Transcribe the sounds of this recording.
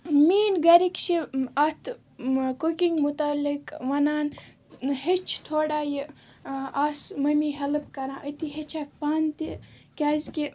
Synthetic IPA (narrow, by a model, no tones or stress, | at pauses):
miːnɡɐɾikʃiɐt̪ʰ | kokiŋɡmut̪alikʋɐnaːn | het͡ʃʰt̪ʰoːɽaːji | aːsmɐmiːɦɐlɨpkɐɾãːʔət̪iɦet͡ʃʰak̚paːnt̪ikʲaːzki